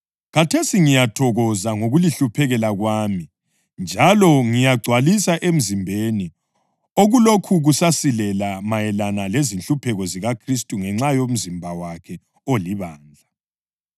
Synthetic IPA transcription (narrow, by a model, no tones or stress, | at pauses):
ɣatʰesiŋijatʰɔɣɔzaŋoɣuliɬupʰɛɣɛlaɣwaːmi | nd͡ʒʱalɔŋijaɡ͡ǀʱwalisaʔem̩zimbʱeni | oɣulokʰuɣusasilɛlamajɛlanalezinɬupʰɛɣɔziɣakʰristʼuŋɛŋ͡ǁajom̩zimbʱawakʰɛ | oliβaːnd͡ɮʱa